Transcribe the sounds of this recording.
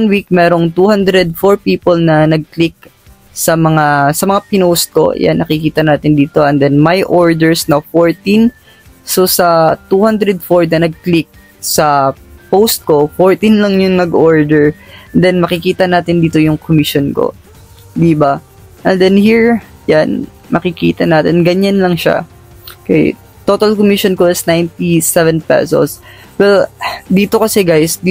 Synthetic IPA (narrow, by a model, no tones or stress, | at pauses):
ɐnwik̚mɛːɾo̞ŋt̪uhand̪ɾɛd̪̚foɹpiːpolnɐnɐɡ̚klɪk̚ | sɐmɐŋasɐmɐŋapɪnost̪̚ko̞̰ja̰nːʔɐkɪkiːt̪ɐnaːt̪ɪnd̪iːt̪o̞ʔɛnd̪ɛnmɐjʔoɹd̪ɛɹsnɐwfoɹt̪in | sosɐt̪uːhand̪ɾɛd̪̚foɹnɐnɐɡ̚klɪk̚ | sɐpowst̪̚ko̞foɹt̪inlɐŋjʊŋnɐɡʔoɹd̪ɛɹnd̪ɛnmɐkɪkiːt̪ɐnaːt̪ɪnd̪iːt̪ojʊŋkomɪʃonko̰ | d̪iba | ʔɛnd̪ɛnhiɹ | jan | mɐkɪkḭːt̪ɐnaːt̪ɪnɡɐɲanlɐŋʃa̰ | kɐj̰ | t̪o̞ːt̪ɐlkomiʃonkoɪsnajnt̪isɛvɛnpɛ̰so̰s | wɛld̪iːt̪o̞kɐsɛɡajsd̪